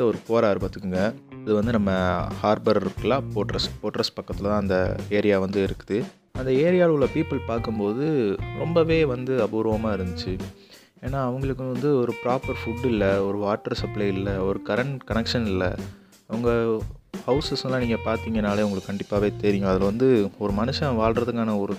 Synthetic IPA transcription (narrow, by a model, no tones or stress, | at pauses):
ɐɔɾɯkoːɾaːɾɯpɐt̪ːɯkːɯŋɡɐɐðɯʋɐnd̪ɯnɐmːɐhaːɾbɐɾɪɾɯkːɐlãːpoːʈɾɐspoːʈɾɐspɐkːɐt̪ːɪlɐt̪ãːɐnd̪ɐeːɾɪjaːʋɐnd̪ɯɪɾɯkːɯðɯ | ɐnd̪ɐeːɾɪjaːɭlːɐpiːpːɐlpaːɾkɯmpoːðɯɾɔmbɐʋeːʋɐnd̪ɯɐbɯɣɾɐːʋɐmaːɪɾɯnd̪ɯt͡ʃːɯ | eːnːaːɐʋɐŋɡɐɭɯkːɯʋɐnd̪ɯɔɾɯpɪɾaːpːɐɾfʊɖɪlːɐɔɾɯʋaːʈːɐɾsɐplɐɪɪlːɐɔɾɯkɐɾɐɳʈkɐnɛkʂɐnɪlːɐ̰ | ɐʋɐŋɡɐhɐʊsɐsɐlãːniːŋɡɐpaːɾt̪iːŋɡɐnaːleːʋʊŋɡɐɭɯkːɯkːɐɳɖɪpːaːʋeːt̪ɛːɾɪjɡʊ̃ɐðɪlʋɐnd̪ɯɔɾɯmɐnɯʂɐ̃ʋaːɭɾɐðɯkːaːnɐɔɾɯ